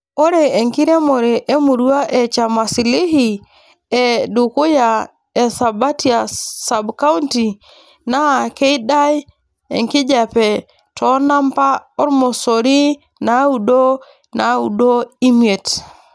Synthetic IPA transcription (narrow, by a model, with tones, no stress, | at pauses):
o˦ɾe˨e˨ŋki˦ɾe˦mo˨ɾe˨ʔe˦mu˨ɾu˦a˦ʔe˨t͡ʃa˨ma˨si˨li˦hi˨ | e˨du˨ku˦ja˨ | e˨sa˨ba˦ti˦a˨sa˨bka˦u˦nti˨ | na˦˨ke˦i˦da˦j | ḛ˨ŋki˦d͡ʒa˨pɛ˨ | tʰɔ˦na˦mpa˦o˦ɾmo˨so˨ɾi˦ | na˨˦u˨do˦ | na˨˦ṵ˨do˦i˦mie˨t